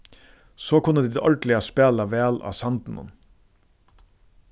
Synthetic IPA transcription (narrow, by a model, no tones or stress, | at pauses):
sɔːkʰʊnːəd̪id̪ɔɹɖ̪lɪaspæːlaʋæːlɑ̰ːsɑnt̪n̩ʊ̰n